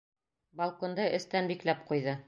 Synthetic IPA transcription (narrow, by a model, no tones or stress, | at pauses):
bɐlˠkond̪ɤʔɘ̆st̪ænbiklæp̚qujðɤ